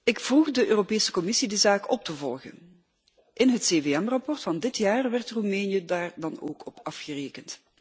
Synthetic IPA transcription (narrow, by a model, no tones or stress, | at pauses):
ɪkfruχdəʔøːropeːsə̥kɔmɪsidizaːkɔp̚təvɔ̰lˠɣə̰n | ʔɪnɦətseːveːɛmrɑpɔrtfɑndɪtjaːrʋɛrtrumɛːnjədaːrdɑno̰ːkɔpɑfxəreːkənt